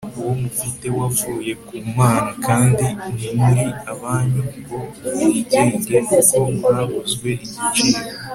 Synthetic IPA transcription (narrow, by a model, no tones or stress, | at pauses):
uwo̞mufite̞wafuːje̞kumaːnakʰaːndinimuɾiaβaːɲubo̞iceːɲɟekuko̞mɾaβuzɡwe̞ʔiɟit͡ʃiːɾo